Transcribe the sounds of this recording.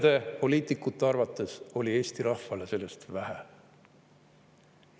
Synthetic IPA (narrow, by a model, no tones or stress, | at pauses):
d̪̥e̞po̞lʲiːt̪ˑikːˑut̪ːˑeɑrvɑt̪ːˑe̞so̞lʲie̞ːst̪iɾɑhvɑle̞se̞lːe̞st̪væɦe